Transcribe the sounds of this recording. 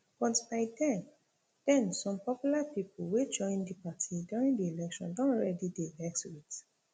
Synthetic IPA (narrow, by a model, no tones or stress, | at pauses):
b̥ɔtbaɪdɛ̃n | d̥ɛ̃nsɔ̃mpɔpjulapipulwed͡ʒɔ̃ɪ̃ndipatʰidjuɹĩŋdielɛkʃɔ̰̃ndɔ̃nɹɛdideɡɛktuit